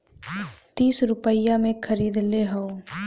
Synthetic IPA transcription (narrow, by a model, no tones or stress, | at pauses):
t̪iːsɾʊpəjamẽkʰəɾiːd̪leɦəo